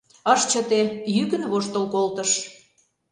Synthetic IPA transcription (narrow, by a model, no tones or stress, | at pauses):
ɑʃt͡ɕət̪ejykə̆nβoʃt̪olkolt̪ə̆ʃ